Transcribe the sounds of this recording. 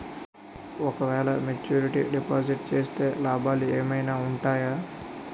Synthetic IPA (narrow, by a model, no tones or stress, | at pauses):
okʋɛːlamet͡ʃuːɾɪʈḭɖipaːzɪʈt͡ʃeːst̪elaːbaːliemeinaʊɳʈaːja